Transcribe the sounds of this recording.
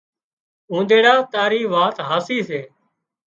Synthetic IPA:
ũːd̪eːɽaːt̪aːɾiːʋaːt̪ɦaːsiːseː

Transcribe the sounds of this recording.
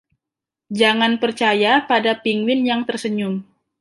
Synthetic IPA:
d͡ʒaŋanpərt͡ʃajapadapiŋwɪnjaŋt̪ərsəɲʊm

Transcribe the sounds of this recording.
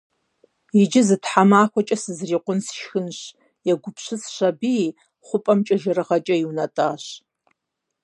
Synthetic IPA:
id͡ʒɪzɨtʰħamaːxʷɔt͡ʃʼɐsɨzriːqʷʊnsʃxɨnɕ | jɛɡʷʊpʰɕɨsɕɐbi | χʷʊpʼɐmt͡ʃʼɐʒɐrɨʁɐt͡ʃʼɐjiwnɐtʼaːɕ

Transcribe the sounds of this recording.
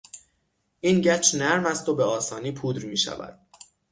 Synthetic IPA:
ʔiːnɟæt͡ʃʰnæɾmæst̪obeɒːsɒːniːpʰuːd̪ɾmiːʃæ̰væ̰d̪̥̚

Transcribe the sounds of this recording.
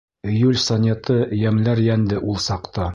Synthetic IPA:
jʉlʲsonʲet̪ɤjæmlæɾjænd̪ɘʔulˠsɑqt̪ɑ

